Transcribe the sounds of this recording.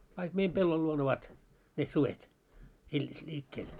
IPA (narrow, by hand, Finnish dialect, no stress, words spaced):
kɑik meim pelːol luon oʋɑt ne suʋet il lʲiːkːeːl